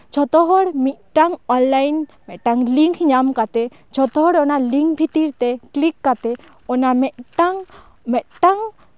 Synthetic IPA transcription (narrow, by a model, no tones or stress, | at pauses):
t͡ʃɔt̪ɔɦɔɽmit̪̚ˀʈaŋɔnlajnmɛt̪̚ʈaŋliŋkʰɲamkat̪ɛ | t͡ʃʰɔt̪ɔɦɔɽɔnaliŋkʰbʱit̪iɾt̪ɛklikːat̪ɛ | ɔnamɛʈaŋ | mɛt̪̚ʈaŋ